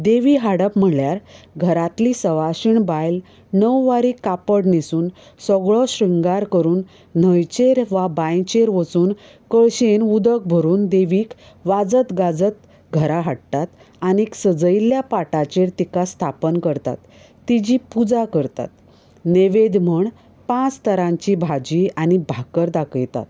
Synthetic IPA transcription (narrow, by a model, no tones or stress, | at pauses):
d̪eʋiɦaɽəpm̤əɳljaɾɡʱəɾat̪lisəʋaɕiɳbajl | nəwːaɾiːkapəɽnisuːn | sɔɡɭɔɕɾiŋɡaɾkəɾuːn̤ː | əjt͡ɕeɾʋabãjt͡ɕeɾʋət͡suːn | kəɭɕenud̪ək̚bʱəɾuːnd̪eʋiːk | ʋad͡zət̪ɡad͡zət̪ | ɡʱəɾaɦaɽt̪at̪ | aniksəd͡zəjljapaʈat͡ɕeɾt̪ikast̪ʰapənkəɾt̪a̰t̪ː | id͡ʑiːpud͡zakəɾt̪a̰t̪ | neʋed̪m̤əɳ | pãt͡st̪ʰəɾãɲt͡ɕibʱad͡ʑiañibʱakəɾd̪akəjt̪a̰t̪